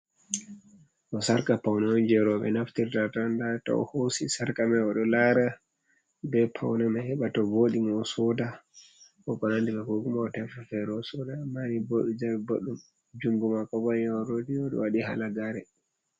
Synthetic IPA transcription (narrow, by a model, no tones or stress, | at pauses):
ʔɔsaɾkapawnaɔnd͡ʒɛɾɔɓɛ̰naftiɾtatandatɔ̰ɔ̰hosisaɾkamaɔɗɔlaːɾa | bɛpʰawnamahɛɓatɔvoːɗimɔsɔda | kɔkɔnandikaɡoɡumaɔtɛfafɛɾɔsɔdamaniboɗud͡ʒawɛboɗum | d͡ʒuŋɡumakɔbɔinaɔɾodiɔɗɔ̰waɗiha̰laɡaɾɛ